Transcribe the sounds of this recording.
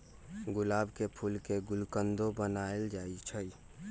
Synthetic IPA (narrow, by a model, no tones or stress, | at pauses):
ɡʊlaːbkepʰulkeɡʊlkənd̪obənaːeld͡ʒaːit͡ʃʰə